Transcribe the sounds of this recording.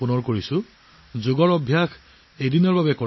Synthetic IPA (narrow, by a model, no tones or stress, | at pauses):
punɔɹkoɹisʊ̃ | zʊɡɔɹɔbʱjax | ejdinɔɹbabɛkɔ